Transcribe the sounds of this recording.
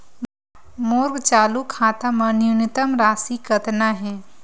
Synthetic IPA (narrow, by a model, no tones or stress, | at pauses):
moːɾɡt͡ʃaːlukʰaːt̪amɐ̃njunɪt̪əmɾaːsikɐt̪naɦɛː